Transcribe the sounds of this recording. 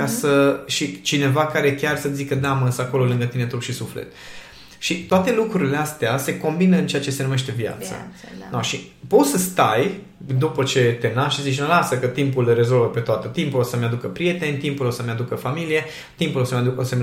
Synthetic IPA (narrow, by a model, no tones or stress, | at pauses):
kasəʃit͡ʃine̞vakaɾe̞kʲarsət̪ʲzikəd̪aməɨnsəako̞lo̞lɨŋɡət̪inet̪ɾupʃisuflḛt̪ | ʃit̪oat̪e̞lukɾuɾile̞ast̪ease̞ko̞mbinəɨnt͡ʃe̞at͡ʃe̞se̞nume̞ʃt̪e̞vja̰t̪sə̰naʃi | po̞t̪səst̪aj | d̪upət͡ʃe̞t̪e̞naʃizit͡ʃnəlasəkət̪impulre̞zo̞lvəpe̞t̪oat̪et̪impulosəmead̪ukəpɾije̞t̪e̞nʲt̪impulosəmead̪ukəfamilije̞ | t̪impulosəmead̪ukosəme